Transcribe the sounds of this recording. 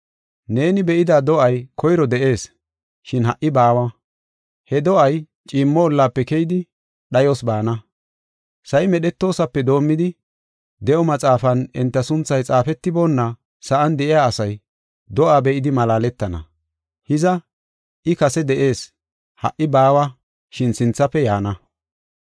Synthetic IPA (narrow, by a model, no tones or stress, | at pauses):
ne̞ːnɪbɛʔɪd̪ad̪ɔʔɐjkʰɔjɾɔd̪ɛʔe̞ːs | ʃɪnhɐʔɪbaːwɐ | hɛd̪ɔʔɐj | t͡ʃʼiːmːɔɔlːaːpːɛkɛjɪd̪ɪ | ɗɐjɔsbaːnɐ | sɐjmɛɗɛt̪ːo̞ːsɐpːɛd̪o̞ːmːɪd̪ɪ | d̪ɛʔɔmɐt͡sʼaːfɐnɪnt̪ːɐsʊnt͡sːɐjt͡sʼaːfɛt̪ːɪbɔnːɐ | sɐʔɐnd̪ɛʔɪjaːsɐj | d̪ɔʔaːbɛʔɪd̪ɪmɐlaːlɛt̪ːɐnɐ̰ | hɪzɐ | ʔɪkɐsɛd̪ɛʔe̞ːs | hɐ̰ʔːɪbaːwɐ | ʃɪnsɪnt͡sːɐpːɛjaːnɐ